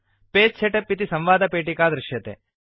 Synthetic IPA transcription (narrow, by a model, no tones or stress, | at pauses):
peːt͡ʃʰeʈepːit̪isɐ̃mʋaːd̪ɐpeːʈikaːd̪ɾɪʃjɐt̪ḛː